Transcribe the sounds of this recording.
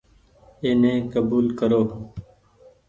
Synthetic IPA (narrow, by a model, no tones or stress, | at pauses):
eːnẽːkəbuːlkəɾoː